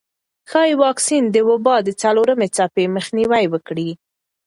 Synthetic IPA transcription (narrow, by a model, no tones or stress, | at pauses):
xɑjwɑksind̪əwʊbɑd̪ət͡saloɾəmet͡sapeməxniwajwəkɽi